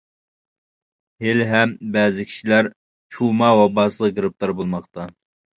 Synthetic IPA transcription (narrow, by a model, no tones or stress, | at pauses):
helɦɛmbɛːzɪkʲʰi̥ʃilæɾ | t͡ʃʰumɑwɑbɑːsɨlˠɨɡɾɨp̚t̪ɑɾbolˠmɑχt̪ɑ